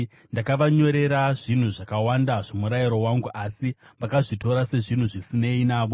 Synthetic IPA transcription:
ndakaʋaɲo̞ɾe̞ɾaʐin̤uʐakawandaʐomuɾaiɾo̞waŋɡuʔasi | ʋakaʐito̞ɾase̞ʐin̤uʐisine̞inaːʋo

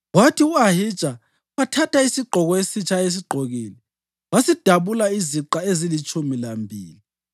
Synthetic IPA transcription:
watʰiuahid̥ʒ̥ʱʼa | watʰatʰaisiɡ͡ǃʱɔɣɔesit͡ʃʰaes̬iɡ͡ǃʱoɣiːlɛ | wasid̥ʱaβulaiziǃaezilit͡ʃʼumilambʱḭːli

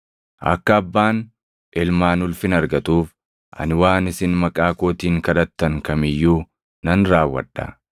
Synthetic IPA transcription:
ʔɐ̰kːɐɐbːaːn | ʔɪlmaːnʊlfɪnɐɾɡɐt̪uːf | ʔɐ̰nɪwaːnɪsɪnmɐkʼaːko̞ːt̪iːŋkɐᶑɐt̪ːɐŋkɐmɪjːuː | nɐnɾaːwːɐ̰ᶑːɐ̰

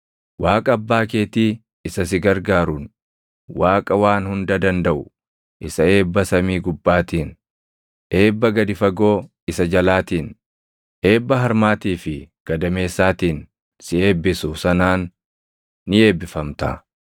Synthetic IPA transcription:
waːkʼɐɐbːaːke̞ːt̪iː | ɪsɐsɪɡɐɾɡaːɾʊn | waːkʼɐwaːnhʊnd̪ɐd̪ɐnd̪ɐʔʊ | ʔɪsɐe̞ːbːɐsɐmiːɡʊbːaːt̪iːn | ʔe̞ːbːɐɡɐd̪ɪfɐɡo̞ː | ɪsɐd͡ʒɐlaːt̪iːn | ʔe̞ːbːɐɦɐɾmaːt̪iːfɪɡ̥ɐd̪ɐme̞ːsːaːt̪iːn | sɪe̞ːbːɪsʊsɐnaːnː | ɪe̞ːbːɪfɐmt̪ɐ̰

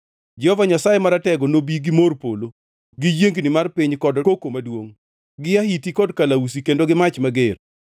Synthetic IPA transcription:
d͡ʒɛhɔvaɲasajemaɾatɛɡɔnobiɡɪmorpolo | ɡɪjeŋɡnɪmarpɪɲkɔdkokomadwoŋ | ɡɪaɦitikɔdkalaus̬ikendoɡɪmat͡ʃmaɡɪr

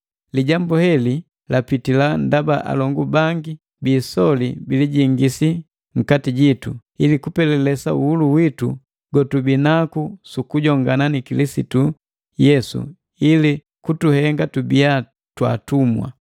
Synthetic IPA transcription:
liɟambuhɛli | lapitilan̩dabaʔa̰lɔŋɡubaŋɡi | biːsɔlḭbiliɟiŋɡisi | ŋ̩katiɟitṵilikupɛlɛlɛsauuluwitṵ | ɡɔtubinakusukuɟɔŋɡananikilisitu | jɛsṵ | ili | kutuhɛŋɡatubia | twa̰tumwa̰

